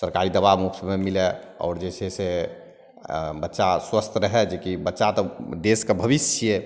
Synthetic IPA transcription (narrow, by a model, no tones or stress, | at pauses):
səɾkaɾid̪əbamubsmemilɛɔ̰ːɾd͡ʒesese | bətːʃaswəst̪ʰɾəɦɛd͡ʒekibətːʃat̪ɔd̪eskebʱəbist͡ʃʰijje